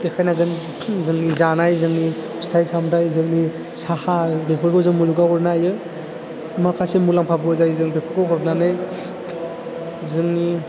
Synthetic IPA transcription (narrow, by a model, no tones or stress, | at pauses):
dekʰajnaɡɯn | zɯŋnizanajzɯŋni | stʰajsʰamdajzɯŋni | sahabepʰɯɾɡɯzɯŋmuluɡaɦɔɾnajɯ | makʰasemulaŋpʰabɯzajzɯŋbepʰɯɾɡɔɔɾnanɯj | zɯŋni